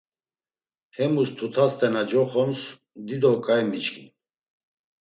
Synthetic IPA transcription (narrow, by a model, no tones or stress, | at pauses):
hɛmust̪ʰut̪ʰast̪ʰʼɛnad͡ʒɔχɔns | d̪id̪ɔkʼajmit͡ʃʼkʰʼin